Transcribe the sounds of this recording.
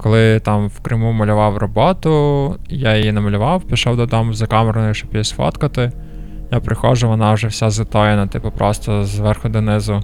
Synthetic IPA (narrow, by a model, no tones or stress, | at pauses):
kɔlˠɪt̪ɑmwkɾɪmumɐlʲʊʋɑwrɔbɔt̪ʊjajɔjinɛmɐlʲʊʋɑwpʲiʃɔwd̪ɔd̪ɔmʊzɐkɑmeɾɐnɔjiʃt͡ʃɔpjisʲfɔ̰t̪kɐt̪ɪ | japɾʔɪxɔʒʊʋɔnɑwʒɛwsʲazɪt̪ɔjinɐt̪ɪpɐpɾɔst̪ɔzʋɛrxʊd̪ɪnɪzʊ